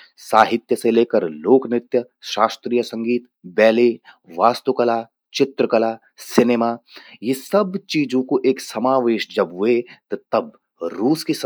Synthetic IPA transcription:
saːɦɪt̪jəseleːkəɾloːknɪt̪jə | ʃaːst̪ɾijəsɐ̃ŋɡiːt̪ | bɛːle | ʋaːst̪ukɐlaː | t͡ʃɪt̪ɾəkɐlaː | sɪneːmaːjesɐbt͡ʃiːd͡ʒõkoʔeːksɐmaːʋeːʃd͡ʒɐbɦʊet̪ot̪ɐb | ɾuːskis

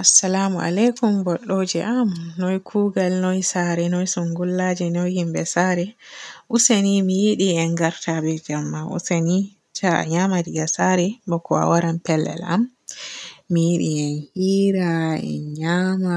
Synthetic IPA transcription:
ʔasːalamua̰lɛkumbɔɗːod͡ʒɛ̰ʔamnɔjkʰuːɡalnɔjsaɾɛnɔjsuŋɡulːad͡ʒɛnɔjhimbɛsaɾɛʔusanimijiɗiɛnɡaɾtʰabɛd͡ʒamːaʔṵsani | t͡ʃaa̰ɲamadiɡasaɾɛbɔkʰɔa̰waɾampɛlːɛ̰la̰mː | ijiɗiɛnhiːɾaɛ̰ɲama

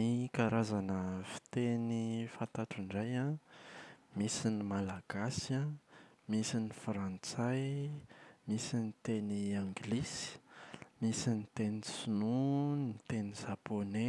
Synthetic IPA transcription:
ikaɾazanəfi̥t̪enifant̪aʈ͡ʂuɳɖ͡ʐaja | misinimalaɡ̥asamisinifɾant͡saj | misinit̪eniãŋɡlisi̥misinit̪enisununit̪eniʒapone

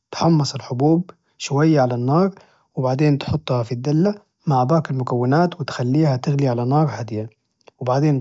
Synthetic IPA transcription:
t̪ħɑmːɑsˤɪlħʊbuːb̚ | ʃʊwajːaʕalanːɑːɾˤ | wɪbaʕd̪eːnt̪ħʊt̪ˤːhɑfid̪ːalːa | maʕbaːkɪlmʊkawːɪnaːt̪wɪt̪xalːiːhat̪ɪɣliʕalanɑːɾˤħad̪ɪja | wɪbaʕd̪eːn

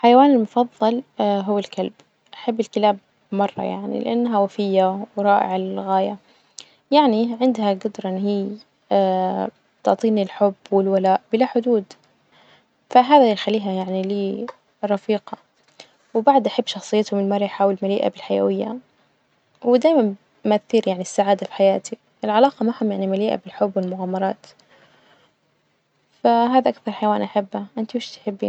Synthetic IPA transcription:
ħajawaːnɪlmʊfɑðˤːɑlɦʊwːalkalb | ʔaħabːɪlkɪlaːb̚ | mɑrˤːɑ̰ja̰ʕnḭlɪ̰ʔanːɦawafɪjːawɾˤɑːʔɪ̰ʕalɣaːja | jaʕniʕɪnd̪haɡʊd̪ɾˤɑʔɪnːɦiː | a | t̪ʊʕt̪ˤiːnilħʊbːwɪlwalaːʔbɪlaħʊd̪uːd̪ | faɦaːðajxalːiːɦajaʕniliː | rˤɑfiːqɑ | wɪbaʕd̪ʔaħabːʃɑxsˤɨjːɪt̪hʊmɪlmɑɾˤjħaːwɪlmaliːʔa̰bɪlħaja̰wɪjːa̰ | wɪd̪aːjman | mʔaθːiːɾjaʕnisːaʕaːd̪afi̥ħajaːt̪i | ʔɪlʕalɑːqɑmaːhʊmjaʕnimaliːʔa̰bɪlħʊbːwɪlmʊɣaːmːɑɾˤɑːt̪ | faɦaːðaʔakθɑɾˤħajwaːnʔaħabːhaʔɪnt̪iwɪʃt̪ħɪb̰ː

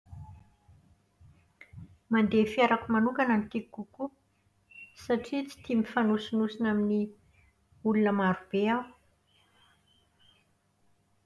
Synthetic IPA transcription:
mand̪efiaɾakumanuŋkananit̪ikuku | saʈ͡ʂit͡si̥t̪imifanusunusinamini | ulunəmaɾub̥eaw

